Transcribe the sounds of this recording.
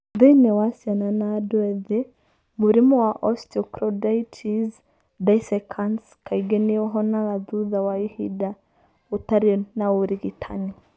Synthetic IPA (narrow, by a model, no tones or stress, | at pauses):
ðɛnɛwasiananadwɛðɛ | muɾimɔwaʔɔstiɔkɾɔdaitʰiz | daisɛkʰans | kʰaiɡɛniɔɦɔnalaðuðawaihida | utaɾinaoɾiɣitʰani